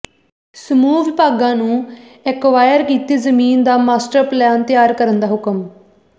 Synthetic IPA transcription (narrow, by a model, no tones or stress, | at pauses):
səmuːʋɪpaːɡãːnũː | ɛkʋaːjəɾkiːt̪iːzəmiːnd̪aːmaːsʈəɾplɛːnt̪ɪjaːɾkəɾənd̪aːɦʊkəm